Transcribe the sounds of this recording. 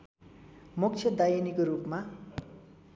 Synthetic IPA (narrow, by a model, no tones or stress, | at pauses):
muk̚t͡sʰjʌd̪ajinikoɾupma